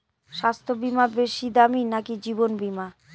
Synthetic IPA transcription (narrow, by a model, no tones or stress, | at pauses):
ʃast̪ʰobimabeʃid̪aminakid͡ʑibonbima